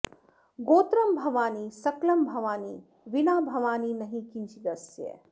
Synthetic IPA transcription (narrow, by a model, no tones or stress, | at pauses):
ɡoːt̪ɾɐmbʱɐʋaːnisɐklɐmbʱɐʋaːniː | ʋinaːbʱɐʋaːniːnɐɦĩkint͡ʃiɡ̪ɐsjḛ